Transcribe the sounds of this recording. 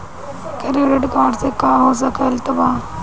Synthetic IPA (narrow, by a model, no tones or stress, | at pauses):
keɾiɾeɖkaːɖsekaːɦoːs̬ɐkəɪlt̪ɐbaː